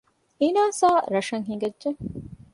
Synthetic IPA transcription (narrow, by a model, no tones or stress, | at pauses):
inaːsaːɾɐʃɐŋɦiŋɡɐdʒeŋ